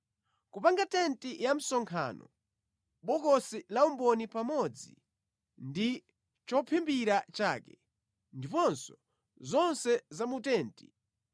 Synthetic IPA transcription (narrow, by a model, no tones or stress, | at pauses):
kupaŋɡatɛntijam̩sɔŋkʰa̰ːnɔ̰ | ɓɔkɔsilaumbɔnipamɔd͡zi | ndi | t͡ʃɔpʰimbiɾat͡ʃaːkɛ | ndipɔnsɔ | zɔnsɛzamutɛːnti̥